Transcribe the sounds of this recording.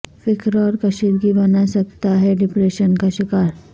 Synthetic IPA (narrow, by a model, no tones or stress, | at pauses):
fɪkɾɔːɾkɐʃɪɾɡibɐnasɐk̚t̪aɦɛɖɪpɾeːʃənkaʃɪkaːɾ